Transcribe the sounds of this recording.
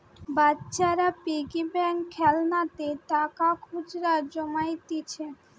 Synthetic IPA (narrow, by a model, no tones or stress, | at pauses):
batːɕaɾapiɡibɛŋʰɛlnat̪et̪akakʰud͡ʑɾaɾd͡ʑomajt̪it͡ɕʰe